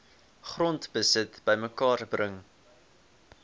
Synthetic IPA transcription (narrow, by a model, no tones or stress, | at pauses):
χrɔntbəsətb̥əjməkɑːrbrəŋ